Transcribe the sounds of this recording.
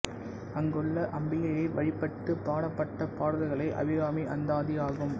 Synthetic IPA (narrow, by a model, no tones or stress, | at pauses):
ɐŋɡɯɭːɐʔɐmbɪjɐjɐɪʋɐɻɪpːɐʈːɯpːaːɽɐpːɐʈːɐpaːɽɐðɐɪɣɐɭɐɪʔɐ̰ʋɪɣaːmiʔɐnd̪aːðijaːɣɯm